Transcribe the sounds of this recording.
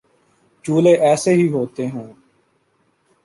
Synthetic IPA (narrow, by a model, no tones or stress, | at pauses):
t͡ʃuːleːʔɛːseːɦiːɦoːt̪eːɦɛ̃ː